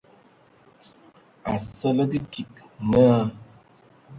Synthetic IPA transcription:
a̰˨sɔ˦lə˦di˦ki˨knə˦a˦

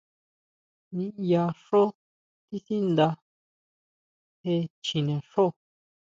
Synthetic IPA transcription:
nĩ˧ja˧ʂo˦ | t̪i˦θi˦nd̪a˧ | he˧t͡ʃĩ˨nẽ˨ʂo˦˨

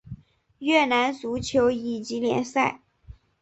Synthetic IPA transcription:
ɥɛ˥˩na˧˥nt͡su˧˥t͡ɕʰjo˧˥ʊi˨˩t͡ɕi˧˥ljɛ̰˧˥nsa˥˩ɪ

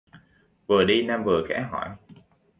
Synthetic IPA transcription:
vəː˨˩ɗi˧naː˧mvəː˨˩xɛ̰˧˥ɦɔ˧˩j

